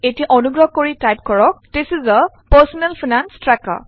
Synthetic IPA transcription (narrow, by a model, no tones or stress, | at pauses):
etijaʔɔnuɡɹɔhkoɹitajp̚kɔɹɔk̚tesizə | pəsɔnɛlfʰinanstɹaka̰